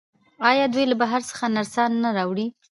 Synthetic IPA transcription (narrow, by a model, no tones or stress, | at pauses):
ɑjɑd̪ujlabaɦaɾsə̥xanaɾsɑnːaɾɑwɽi